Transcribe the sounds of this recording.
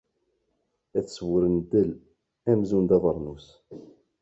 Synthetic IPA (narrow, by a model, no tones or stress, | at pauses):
æθswəɾənt̪əl | æmzund̪ɑðˤəɾˤnus